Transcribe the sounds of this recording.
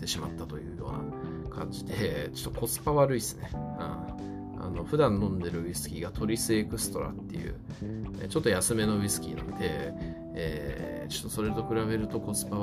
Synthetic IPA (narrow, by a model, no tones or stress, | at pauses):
t̪e̞ɕimat̪ːat̪o̞jɯ̟ːjo̞̰ːna̰ | kʰã̰ɲ̟d͡ʑid̪e̞t͡ɕo̥t̪ːoko̞t͡sɨ̥paβaɾɯ̟isɨne̞hã̰ | a̰no̞ɸɯ̟d̪ãnːõ̞nd̪e̞ɾɯ̟isɨ̥kʲiɡat̪ʰo̞ɾʲisɨe̞kɯ̟sɨ̥t̪o̞ɾa̰t̪ːe̞̰jɯ̟̰ː | ḛt͡ɕo̞t̪ːo̞jasɨme̞no̞isɨ̥kʲḭnã̰nod̪e̞ | ḛː | t͡ɕo̥t̪ːo̞so̞ɾe̞t̪o̞kɯ̟ɾaβe̞ɾɯ̟t̪o̞ko̞t͡sɨ̥pa